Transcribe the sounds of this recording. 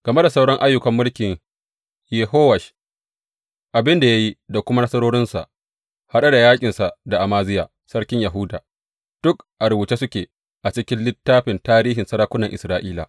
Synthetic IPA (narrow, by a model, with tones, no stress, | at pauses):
ɡ̥ɐ˨me˦da˨sa˦wɽɔ˦ŋʔa˦jːʊ˦kɐ˨mːʊ˦lkʲɪ˨ɲ | jɛ˨ɦoː˦wɐ˨ʃ | ʔa˨bɪ˦nda˨ja˦ji˦da˨kʷʊ˦ma˦nɐ˦sɐ˦ɾoː˦ɽɪ˦nsa̰˨ʔ | ha˦ɗa˦da˨jaː˦kʲʼɪ˨nsa˨ʔda˨ʔa˨maː˦zɪ˦jaː˨ | sɐ˦ɽkʲɪ˦ɲja˨ɦʊː˦daː˨ | d̥ʊ˦kʔa˨ɾʊ˨bu˨t͡ʃe˦sʊ˦kʲeː˨ | ʔa˨t͡ʃɪ˦kʲɪ˦nlɪ˦tːaː˦ɸɪ˨ntaː˦ɾiː˦ɦɪ˨nsɐ˦ɾaː˦kʷʊ˦nɐ˨ŋʔɪ˨sɾaː˦ʔiː˦la̰˨